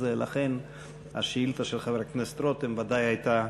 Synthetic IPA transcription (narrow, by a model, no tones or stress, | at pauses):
zelʔa̰χen | a̰ʃeilt̪aʃelχaveɾaknest̪ɾot̪hɛmvad̪ajhajt̪a